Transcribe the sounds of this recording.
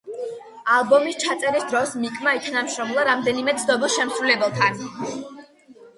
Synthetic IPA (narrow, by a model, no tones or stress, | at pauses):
alˠbɔmist͡ʃʰat̪sʼɛɾisd̪ɾɔsmikʼmaik̪ʰanamʃɾɔmlˠaɾamd̪ɛnimɛt̪sʰnɔbilˠʃɛmsɾulɛbɛlˠt̪ʰan